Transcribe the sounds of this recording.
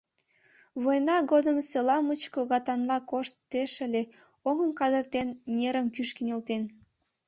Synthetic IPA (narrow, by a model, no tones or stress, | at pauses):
βojnɑɣod̪əmselɑmut͡ɕkoɣɑt̪ɑnlɑkoʃt̪ːeʃəlʲe | oŋəmkɑd̪ərt̪enːʲeɾəmkyʃkinʲolt̪en